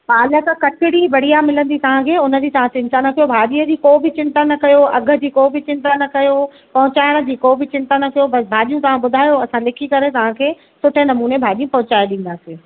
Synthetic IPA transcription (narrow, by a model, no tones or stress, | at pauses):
paːləkkɐʈʰɪɽiʋɐɽijamɪlə̃nd̪it̪ɐʋ̤ãkʰeːʊnə̆d͡ʑiːt̪ɐʋ̤ãt͡ɕɪ̃nt̪anɐkɐjobʱaːɗiːəd͡ʑiːkoːbʱɪt͡ɕɪ̃nt̪anɐkɐjoɐɡʱə̆d͡ʑiːkoːbʱɪt͡ɕɪ̃nt̪anɐkɐjo | pɐɦʊ̃t͡ɕaːɪɽ̃ə̆d͡ʑiːkoːbʱɪt͡ɕɪ̃nt̪anɐkɐjobɐsbʱaːɗijũt̪ɐʋ̤ãɓʊd̪ʱaːjoɐsãlɪkʰikɐɾet̪ɐʋ̤ãkʰeː | sʊʈʰenɐmuːnebʱaːɗiːjũpɐɦʊ̃t͡ɕaːjeɗĩːn̆d̪aːsiː